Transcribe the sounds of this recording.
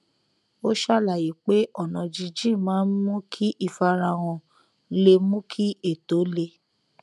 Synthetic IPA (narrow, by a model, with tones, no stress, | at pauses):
o˦ʃa˦˨la˨ji˨˦k͡pe˦ʔɔ˦˨nɔ̃˨d͡ʒi˧d͡ʒĩ˦˨mãː˨˦mũ˦kʰi˦ʔi˦˨fa˧ɾa˧w̃ɔ̃˧˦ | le˧mũ˦kʰi˦ʔe˦˨to˨˦le˧